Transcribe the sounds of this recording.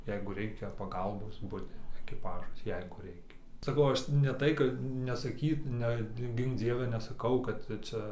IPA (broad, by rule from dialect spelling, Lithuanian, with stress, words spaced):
ˈjɛɪɡʊ ˈrʲɛɪkʲɛ pɐˈɡɐlˠboːs ˈbʊdʲɪ ɛkʲɪˈpɑːʒɐs ˈjɛɪɡʊ ˈrʲɛɪkʲɛ sɐˈkɐʊ ˈɐʃ nʲɛ ˈtɐɪ kɐt nʲɛsɐˈkʲiːt ɨnʲɛt ˈɡʲɪŋk ˈd͡zʲiɛʋʲɛ nʲɛsɐˈkɐʊ kɐt ˈt͡sʲɛ